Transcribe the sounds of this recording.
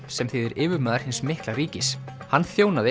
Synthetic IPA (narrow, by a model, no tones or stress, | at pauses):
sɛmθɪðɪɾʔɪːvʏɾmaːðaɾ̥hɪnsmɪhklariːcɪs | hanːθjoːwnaðɪ